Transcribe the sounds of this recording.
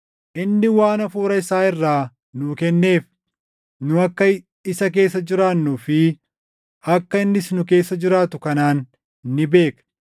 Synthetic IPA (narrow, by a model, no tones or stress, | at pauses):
ʔɪnːɪwaːnɐfuːɾɐɪsaːɪrːaː | nʊkɛnːe̞ːf | nʊɐkːɐ | ɪsɐk̬e̞ːsːɐd͡ʒɪɾaːnːuːfɪ | ɐkːɐɪnːɪsnʊke̞ːsːɐd͡ʒɪɾaːt̪ʊkɐnaːnː | ɪbe̞ːk